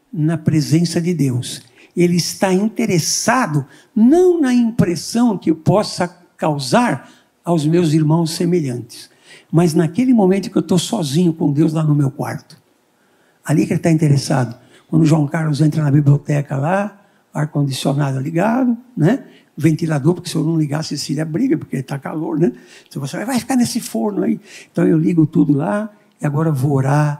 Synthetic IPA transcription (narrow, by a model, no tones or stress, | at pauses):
nɐpɾezẽsɐd̪ɪd̪ews | elɪɪst̪aĩnt̪eɾesad̪ʊ | nɐ̃w̃nɐĩpɾesɐ̃w̃kɪpɔsɐ | kawzaɾ | awzmewziɾmɐ̃w̃sːemeʎɐ̃nt̪ɪ̥s | mɐznɐkelɪmõmẽnt̪ʊkewt̪osɔzĩɲʊkõd̪ewzlanʊmewkwa̰ɾt̪ʊ̥ | alikelɪt̪aĩnt̪eɾesad̪ʊ | kwɐ̃nd̪ʊʒwɐ̃w̃kaɾlʊzẽnt̪ɾɐnɐbibliot̪ɛkɐla | aɾkõnd̪isionad̪ɐliɡad̪ʊnɛ | vẽnt̪ilad̪oɾpoɾkɪ̥sɪewnɐ̃w̃liɡasɪsiʎɐbɾiɡɐpoɾkeelɪt̪aka̰loɾnɛsewvosevajvajfi̥kaɾnesɪfoɾnʊaiẽnt̪ɐ̃w̃ewliɡʊt̪ud̪ʊla | ɪaɡɔɾɐvooɾa